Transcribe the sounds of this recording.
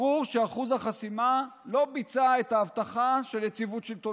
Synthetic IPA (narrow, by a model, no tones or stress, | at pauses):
uʁʃeaχuzhaχasimalo̞bit͡saet̪aːvt̪aχaʃe̞ljet͡sivutʃelt̪o